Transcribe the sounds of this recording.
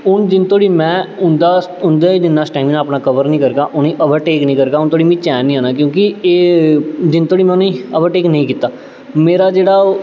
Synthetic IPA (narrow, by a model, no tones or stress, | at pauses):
ʊnd͡ʒɪnt̪oːɽiːmɛ̃ːʊnd̪aːʊnd̪eid͡ʒɪnːaːsʈaːmnãːpnãːkəʋəɾnĩːkəɾɡaːʔʊnĩːʔəbəʈeːknĩːkəɾɡaːʊnt̪oːɽiːmĩːt͡ʃɛːnĩːãːnaːk̬jõːkɪeːd͡ʒɪnt̪oːɽiːmɛ̃ːʊnĩːəʋəʈeːknəĩːkiːt̪aː | meːɾaːd͡ʒeːɽaː